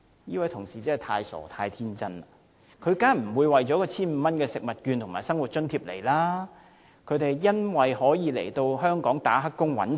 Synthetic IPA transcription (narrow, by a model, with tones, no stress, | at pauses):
jiː˥wɐ˨˥jt̪ʰʊ˨˩ŋsiː˨˩t͡sɐ˥hɐ˨˩t̪ʰaː˧jsɔ̰ː˨˩t̪ʰaː˧jt̪ʰiː˥nt͡sɐ˥n | kʰɵ˨˧ɥkaː˥m̩˨˩wuː˨˧jwɐ˨jt͡ʃɔː˨˥kɔː˧t͡sʰiː˥nm̩˨˧mɐ˥nkɛː˧sɪ˨k̚mɐ˨˩t̚kyː˧nt̪ʰʊ˨˩ŋmaː˨˩sɐ˥ŋwu˨t̚t͡ʃɵ˥nt̪ʰiː˧˥p̚lḛ˨˩jlaː˥ | kʰɵ˨˧ɥt̪e˨jjɐ˥nwɐ˨jhɔː˨˥jiː˨˧lḛ˨˩jt̪o˧wɦœː˥ŋkɔː˨˥ŋt̪a̰ː˨˥ɦɐ˥kːʊ˥ŋwɐ̰˨˥n